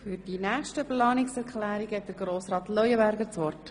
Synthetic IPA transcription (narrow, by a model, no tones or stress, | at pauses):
fyɾdinæːχʃtəplɑːnɪksɛɾkχlæːɾiɡhɛt̚d̥əɾɡɾoːsɾɑːt̪lœjəbæɾɡəɾt͡sʋɔrt